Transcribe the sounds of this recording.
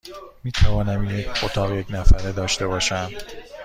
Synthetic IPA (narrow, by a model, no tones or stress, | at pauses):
miːt̪ʰævɒːnæmjecʰot̪ʰɒːɣje̞cʰnæfæɾed̪ɒːʃt̪e̞bɒːʃæm